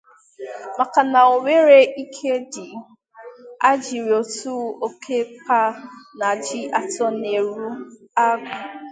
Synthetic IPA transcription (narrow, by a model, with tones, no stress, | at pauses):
ma˨ka˨na˨o˨me˦ɾe˦i˦kʰe˦dɪ˨ | a˦d͡ʒi˨ɾo˨tu˦o˦kʰe˦pa˦na˨d͡ʒi˦a˨tɔ˦ne˨ɾu˦ | a˦ɡʊ˨